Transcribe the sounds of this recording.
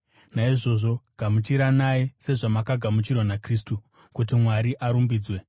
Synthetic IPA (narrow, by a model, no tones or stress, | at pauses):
naiʐo̞ʐo̞ɡ̥ʱamut͡ʃiɾanajese̞ʐamakaɡʱamut͡ʃirwanakriːstu | kut̬imwaɾiʔaɾumbiːd͡zwe̞